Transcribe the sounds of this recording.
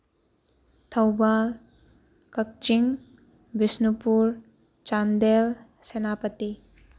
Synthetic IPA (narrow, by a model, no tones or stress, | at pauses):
t̪ʰɐwbal | kɐk̚t͡ʃiŋ | bisnupuɾ | t͡ʃand̪el | senapət̪i